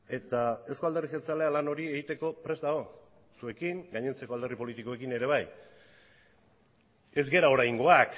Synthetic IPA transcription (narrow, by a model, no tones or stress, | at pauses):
e̞t̪ae̞wsko̞ald̪erixelt͡sale̞alano̞ɾie̞ɣit̪e̞ko̞pɾe̞zd̪aɣo̞ | sue̞kiŋɡaɲe̞nt͡se̞ko̞ald̪e̞ripo̞lit̪iko̞e̞kine̞ɾe̞β̞aj | e̞zɡe̞ɾao̞ɾajŋɡo̞ak